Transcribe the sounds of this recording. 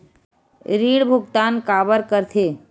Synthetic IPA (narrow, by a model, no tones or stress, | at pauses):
ɾiːɽbʱʊɡt̪aːnkaːbəɾkəɾt̪ʰeː